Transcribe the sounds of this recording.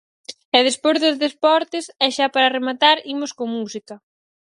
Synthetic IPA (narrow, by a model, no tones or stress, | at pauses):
ɛðespozðozðespɔɾt̪ɪsɛʃapaɾaremat̪aɾimʊskomusikɐ